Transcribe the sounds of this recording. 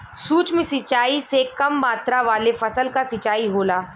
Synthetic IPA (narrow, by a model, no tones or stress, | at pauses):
suːt͡ʃmẽsɪt͡ʃaːisekɐmːaːt̪ɾaʋaːlefɐsəlkasɪt͡ʃaːiɦoːlaː